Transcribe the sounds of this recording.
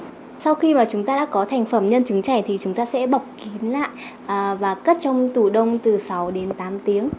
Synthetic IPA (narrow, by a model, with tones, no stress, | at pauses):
sa˧wxi˧maː˨˩t͡ɕʊ˨˦ŋ͡mt̪aː˧ɗa̰ː˧˥kɔ˨˦t̪ʰa˨˩jŋ̟fə˧˩mɲə˧nt͡ɕɨ˨˦ŋt͡ɕa˧˩t̪ʰi˨˩t͡ɕʊ˨˦ŋ͡mt̪aː˧sɛ̰˧˥ɓa˨˩wk͡p̚ki˨˦nla̰ː˧˨j | ʔvaː˨˩kə˦˥t̚t͡ɕɔ˧wŋ͡mt̪u˧˩ɗə˧wŋ͡mt̪ɨ˨˩sa˨˦wɗe˨˦nt̪aː˨˦mt̪i˨˦əŋ